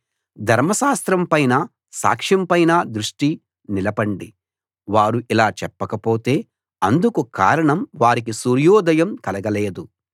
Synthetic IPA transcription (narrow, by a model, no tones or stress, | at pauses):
d̪ʱɐɾmɐʃaːst̪ɾɐmpɐjnɐ | sa̰ːkʂjɐmpɐjnɐd̪ɾuʂʈi | nilɐbɐɳɖi | ʋaːɾuʔilaːt͡ʃɛpːɐkɐpoːt̪e̞ː | ɐnd̪ukuka̰ːɾɐɳɐmʋaːɾik̬isuːɾjɔːd̪ɐjɐmkɐlɐɡɐleːd̪u